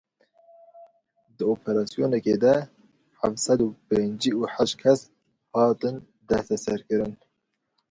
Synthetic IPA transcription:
d̪ɨoːpʰɛɾɑːsijoːnɛkeːd̪ɛ | ħafsɛd̪upeːnd͡ʒiuħaʃ̚kʰɛs | hɑːt̪ɨn | d̪ɛst̪ɛsɛɾkɨɾɨn

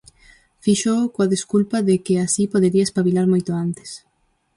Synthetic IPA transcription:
fiʃokoaðeskulpaðɪkɪasipoðeɾiɐespaβilaɾmojt̪oant̪ɪ̥s

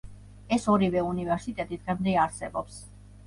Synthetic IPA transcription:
ɛsɔɾivɛunivɛɾsit̪ʼɛt̪ʼit̪ʁɛmnd̪ɛaɾsɛbɔps

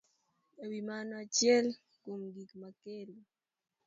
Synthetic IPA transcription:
ewimanɔat͡ʃjɛl | kumɡikmakelu

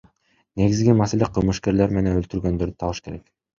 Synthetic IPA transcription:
ne̞ɡizɡimase̞leqʰɯlˠmɯʃke̞ɾle̞ɾme̞nenølt̪yɾɡø̞nd̪øɾd̪y̥t̪ʰɑlˠɯʃɯ̥ke̞ɾe̞k

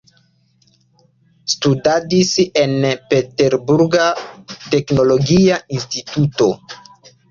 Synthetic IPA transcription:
studadise̞npe̞te̞ɾbuɾɡate̞kno̞lo̞ɡiaʔinstituto̞

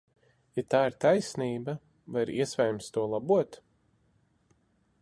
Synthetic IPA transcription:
jat̪aːiɾt̪ajsniːba | vajɾḭɛsvɛjmst̪uɔlˠabuɔt̪

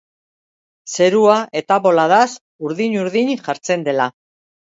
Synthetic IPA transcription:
se̞ɾuaʔe̞t̪aβo̞laðas | uɾðiɲuɾðiɲʝaɾt͡se̞nd̪e̞la

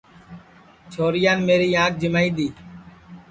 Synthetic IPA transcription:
t͡ʃʰoːɾɪjaːnmeːɾiːãːk̚d͡ʒɪmaːiːd̪iː

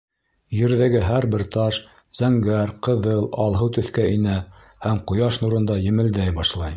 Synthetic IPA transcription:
jɘ̆ɾðæɡɘɦæɾbɘɾt̪ɑʃ | z̥æŋɡæɾqɤ̆ðɤlˠɑlˠɦɤwt̪ɵ̆θkæinæ | hæmqŏjɑʃnuɾɤ̆nd̪ɑjɘ̆mɘ̆ld̪æjbɑʃlˠɑj

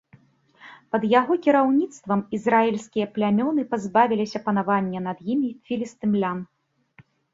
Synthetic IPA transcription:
pɐd̪jaɣɔkʲiɾawnʲit̪st̪vɐmizrailʲsʲkʲijɐplʲamʲɔnɨpazbavʲilʲisʲɐpɐnavanʲːɛnɐd̪jimʲifʲilʲist̪ɨmlʲam

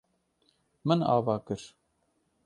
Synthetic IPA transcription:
mɨnɑ̰ːvɑːkɨɾ

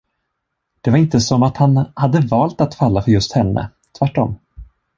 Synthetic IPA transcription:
d̪̥ɛvaɾɪnt̪əsɔmːat̪hanhad̪ːəvɑːlt̪at̪falːafœɾjɵst̪hɛnːə̰ | t̪ʰvæʈːɔ̰m

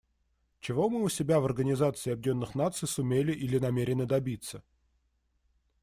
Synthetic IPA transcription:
t͡ɕɪvo̞mɨʊsʲɪbʲavɐrɡənʲɪzat̪sɨɪːɐb̚dʲenːɨxnat̪sɨjsʊmʲelʲɪʔilʲɪnɐmʲeɾʲɪnəd̪ɐbʲit̪sə

